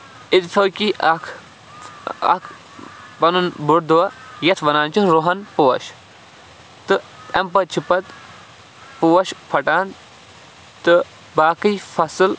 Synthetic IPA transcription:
it̪t̪ʰoːkiɐkʰ | ɐ̰kʰ | pɐnunbuɾd̪uajɐt̪ʰʋɐnaːnt͡ʃunɾoɦɐnpuʋɐ̰ʃ | t̪ɨɛmpɐt͡ʃʰipɐt̪ | puːɐʃpʰɐʈaːn | t̪ɨ | baːkɨjfɐsɨl

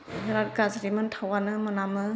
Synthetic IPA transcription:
nɾaɾ̚ɡazɾimɯntʰawanɯmɯnamɯ

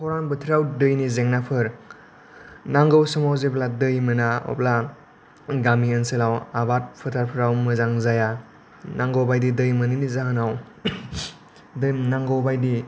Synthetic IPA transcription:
hʰɔɾanbɯtʰɾawdɯjnizeŋnapʰɯɾ | naŋɡawsɯmawzepladɯjmɯnaɔ̰pla | ɡamiənselawabat̚pʰɯtʰaɾpʰɯɾawmɯzaŋzaja | naŋɡowbajdidɯjmənɯnizaɦanaw | dɯjnaŋɡawbajdi

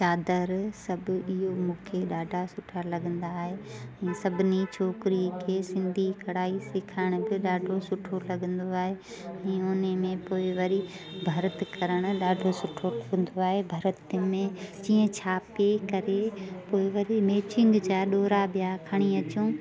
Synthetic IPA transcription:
t͡ɕaːd̪əɾsɐbʊ̆ɪɦomũːkʰeɗaːɖʱasʊʈʰalɐɠə̃nd̪aːɦeɛ̃ːsɐbʱɪnit͡ɕʰoːkɾikʰeːsɪ̃nd̪ʱikɐɽaːisɪkʰaːɪɽ̃ʊbɪɗaːɖʱosʊʈʰolɐɠə̃nd̪oaːɦe | ɛ̃ːʊnemẽpoːɪʋɐɾi | bʱɐɾət̪ɪkɐɾəɽ̃ʊ̆ɗaːɖʱosʊʈʰoə̃nd̪oaːɦebʱɐɾət̪ɪmẽd͡ʑĩːə̃t͡ɕʰaːpekɐɾepoːɪʋɐɾimeːt͡ɕɪ̃ŋɡd͡ʑaːɗoːɾabjakʰɐɽ̃iɐt͡ɕõː

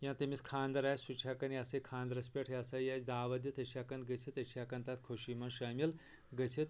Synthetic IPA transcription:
jãnt̪ɐmiskʰaːnd̪ɐɾaːsʲsut͡ʃʰakɐnjɐsɐjkʰãːnd̪ɾɐspʲeʈʰjɐsɐjat͡sd̪aːʋɐd̪jit̪ɐt͡ʃʰaːkɐnd̪ɡɐsʰit̪ɐt͡ʃʰaːkɐnt̪at̪kʰoʃimɐnʃaːmil | ɡɐsʰit̪̚

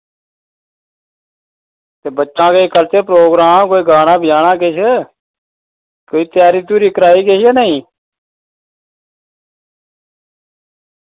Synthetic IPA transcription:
t̪eːbətːʃãːkeːkəɾt͡ʃeːp̬ɾoːɡɾaːmkoːiːɡaːɽãːbʱɪjaːɽãːkeːt͡ʃʰə | koːiːt̪jaːɾiːt̪uːɾiːkɾaːiːkeːaːnəĩː

